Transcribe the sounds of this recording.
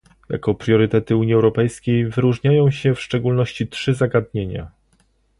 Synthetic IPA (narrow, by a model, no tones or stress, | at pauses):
ja̰kɔpɾʲjɔɾɘt̪ɛt̪ɘuɲiɛwɾɔpɛjskʲejvɘɾuʐɲajɔ̃w̃ɕɛfʂt͡ʂɛɡulnɔɕt͡ɕitʂɘzaɡad̪ɲeɲa̰